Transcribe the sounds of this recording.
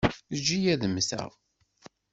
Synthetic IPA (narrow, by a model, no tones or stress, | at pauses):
d͡ʒijæðəmθæ̰ʁ